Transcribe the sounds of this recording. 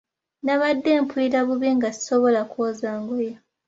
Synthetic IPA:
naβadːeːmpuiɾaβuβiŋɡasi̥soβolakoːzaːŋɡoja

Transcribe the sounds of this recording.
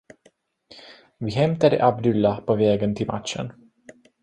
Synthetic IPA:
vɪɦɛmt̪aɖ̪ə̰ʔabd̪ɵlːapʰɔvɛːɡənt̪ʰɪlmʔa̰t̪ʂə̰n

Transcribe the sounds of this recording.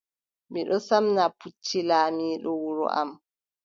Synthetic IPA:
miɗɔsamnaput͡ʃːilaːmiːɗɔwuɾṵʔa̰m

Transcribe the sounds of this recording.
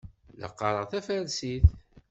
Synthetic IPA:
lə̰qːɑɾˤəʁθæfælsiθ

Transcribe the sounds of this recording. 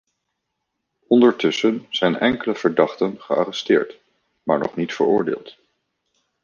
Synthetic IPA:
ɔndəɹtɵsənz̥ɛjnɛŋkələv̥əɹdɑχtənχəa̰rɛstɪːɹt | ma̰ːɹnɔ̰χnitfə̰ɹʊːɹdḛːlˠt

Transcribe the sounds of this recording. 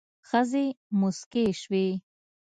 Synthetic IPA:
xəzemʊskeʃwe

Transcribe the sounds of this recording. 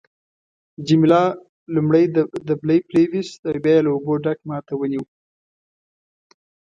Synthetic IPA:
d͡ʒimlɑ | lumɽəjd̪abləjpɾewist̪awbjɑjelaoboɖak̚mɑt̪awəniw

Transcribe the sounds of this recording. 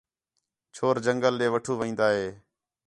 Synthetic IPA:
t͡ʃʰoːɾd͡ʒəŋɡəlːeːʋəʈʰuːʋəĩːnd̪aːɦeː

